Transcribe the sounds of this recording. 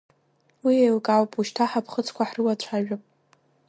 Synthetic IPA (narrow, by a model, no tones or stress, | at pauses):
wiejlkʼawpʼuʃtʰaħapʰχət͡sʰkʷʰaħrɨwat͡ɕʷʰaʒᶣʊpʼ